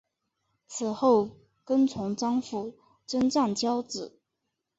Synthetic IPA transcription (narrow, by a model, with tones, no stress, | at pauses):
t͡sʰɹ̩˨˩xo˥˩ʊ | kə˥nt͡sʰʊ˧˥ŋʈ͡ʂɑ˥ŋfu˥˩ | ʈ͡ʂə˥nʈ͡ʂa˥˩ŋt͡ɕjɑ˥ʊt͡sɹ̩˨˩˦